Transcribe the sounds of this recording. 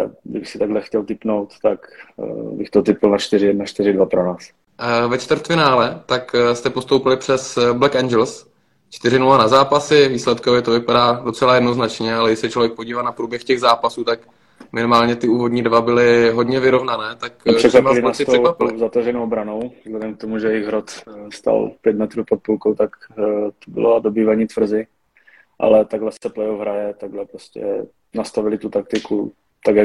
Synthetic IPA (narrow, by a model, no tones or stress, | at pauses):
dɪbɪsɪt̪aɡlɛxcɛlt̪ɪpnowt̪t̪akbɪxt̪ot̪ɪpɪlnat͡ʃt̪ɪɾɪjɛdnat͡ʃt̪ɪɾɪdvapɾonaːs | vɛt͡ʃt̪vəɾt̪fɪnaːlɛt̪akst̪ɛpo̞st̪owpɪlɪpr̝̥ɛsblɛkɛnd͡ʒɛls | t͡ʃt̪ɪrɪnulanazaːpasɪviːslɛt̪kovɪt̪ovɪpadaːdo̞t͡sɛlajɛdno̞znat͡ʃɲɛalɛɡɪʃsɛt͡ʃlo̞vjɛk̚po̞ɟiːvaːnapɾuːbjɛxcɛɣzaːpasuːt̪ak | mɪnɪmaːlɲɛt̪ɪuːvodɲiːdvabɪlɪɦo̞dɲɛvɪɾo̞vnanɛːt̪akʃɛklaaɪlɪnassɪt̪oɛwapɪzat̪aʒɛnowbɾanowzlɛdɛmk̚t̪omuʒɛjɛjɪɣɦɾot̪st̪a̰lpjɛd̪mɛt̪ɾupot̪̚pulkowt̪akt̪obɪ̰lodobiːvaɲiːt̪vr̩zɪ | ʔa̰lɛt̪aɡlɛsɛplɛjofɦɾajɛt̪aɡlɛpɾoscɛ̰ | nast̪avɪlɪt̪ut̪ak̚t̪ɪku | t̪aɡja